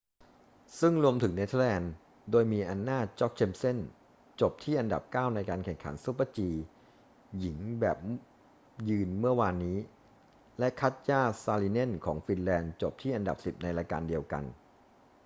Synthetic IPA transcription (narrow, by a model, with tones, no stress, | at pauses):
sɯ˥˩ŋɾu˧əmt̪ʰɯ˩˦ŋne˦˥t̪ʰlɛː˧n | doː˧jmiː˧ʔa˧nːaː˥˩t͡ɕɔ˦˥k̚t͡ɕʰe˧mse˥˩n | t͡ɕo˨˩p̚t̪ʰiː˥˩ʔa˧nda̰˨˩p̚kaː˥˩wna˧jkaː˧nkʰɛ˨˩ŋkʰa̰˩˦nsu˦˥pːa˧˥˩t͡ɕiː˧ | ji˩˦ŋbɛ̰ː˨˩p̚ | jɯː˧nmɯ˥˩ɐwaː˧nːiː˦˥ | lɛ˦˥ʔkʰa˦˥t̪̚jaː˥˩saː˧liː˧ne˥˩nkʰɔ̰ː˩˦ŋfi˧nlɛː˧nt͡ɕo˨˩p̚t̪ʰiː˥˩ʔa˧nda̰˨˩p̚si˨˩p̚na˧jɾa˧ka̰ː˧ndi˧əwka̰˧n